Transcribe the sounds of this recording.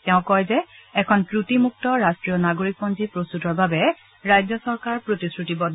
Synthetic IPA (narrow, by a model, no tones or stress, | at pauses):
tɛʊ̃kɔjzɛɛkʰɔnkɹutimuk̚tɔɹastɹijɔnaɡoɹik̚pɔnzipɹostutɔɹbabɛ | ɹajzɔsɔɹkaɹpɹotiskɹutibɔd